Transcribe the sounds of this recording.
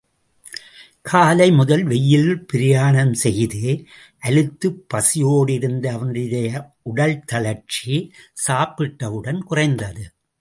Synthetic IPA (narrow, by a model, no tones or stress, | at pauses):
kʰaːlɐɪmʊðɐlʋɛjːɪlpɪɾɪjaːɳɐmsɛjðɯ | ʔɐlɯt̪ːɯpːɐsɪjoːɽɪɾɯnd̪ɐːʋɐnd̪ɪðɐjɐ | ʊɽɐlt̪ɐlɐɾt͡ʃisaːpɪʈːɐʋɯɽɐnkʊrɐɪnd̪ɐðɯ